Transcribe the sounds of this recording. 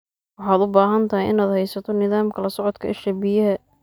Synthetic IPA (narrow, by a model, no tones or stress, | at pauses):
wɑħɑːd̪ʊbaːɦɐnt̪ʰɐɦɪjʔɪnaːd̪hɛjsɐt̪ʰɔnɪðaːmkʰɐlɐsɔʕɔd̪kʰɐʔɪʃɐbijɐɦɛ